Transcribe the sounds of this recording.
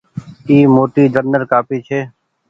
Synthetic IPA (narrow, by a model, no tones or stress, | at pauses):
iːmoːʈ̪iːd͡ʒənːəɾkaːpiːt͡ʃʰeː